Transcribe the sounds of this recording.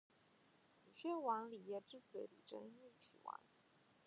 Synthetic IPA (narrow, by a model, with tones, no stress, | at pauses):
li˨˩ɕɥɛ˥˩wɑ˧˥ŋli˨˩jɛ˥˩ʈ͡ʂɻ̩˥t͡sɹ̩˧˥lḭ˨˩ʈ͡ʂə̰˥ni˥˩t͡ɕʰḭ˨˩wɑ̰˧˥ŋ